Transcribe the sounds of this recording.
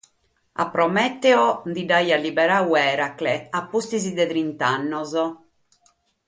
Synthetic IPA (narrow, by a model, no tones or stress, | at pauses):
a̰pːɾɔmɛt̪ːɛɔd̪idajalibɛɾawɛːɾaklɛapːust̪izid̪ɛðɾint̪anːɔzɔ